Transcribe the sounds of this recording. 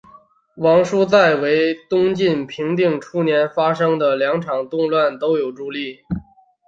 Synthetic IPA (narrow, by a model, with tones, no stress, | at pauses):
wɑ˧˥ŋʂu˥t͡sa˥˩ɪwe˧˥ɪt̪ʊ˥ŋt͡ɕi˥˩npʰi˧˥ŋt̪i˥˧ŋʈ͡ʂʰu˥njɛ˧˥nfa˥ʂɤ˥ŋd̪ə˨ljɑ˧˥ŋʈ͡ʂʰɑ˨˩ŋt̪ʊ˥˧ŋlwa˥˩nt̪o˥ʊjo˨˩ʊʈ͡ʂu˥li˥˩